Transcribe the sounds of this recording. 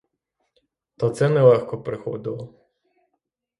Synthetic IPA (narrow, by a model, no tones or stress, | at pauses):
t̪ɔt̪sɛnɛlˠɛxkɔpɾɪxɔ̰d̪ɪlˠɔ